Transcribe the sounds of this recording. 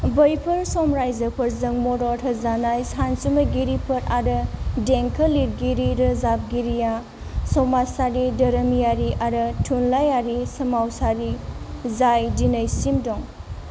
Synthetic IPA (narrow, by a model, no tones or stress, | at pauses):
bɐjpʰɐɾsɔmɾajzɐpʰɐɾzɐŋmɔɾɔtʰɐzanajsansumɐɡiɾipʰɐɾaɾɯdeŋkʰɐliɾɡiɾiɾɐzab̚ɡiɾija | sɔmasaɾidɐɾɐmijaɾiʔaɾɐtʰunlajaɾisɐmawsaɾizajdinɐjsimdɔŋ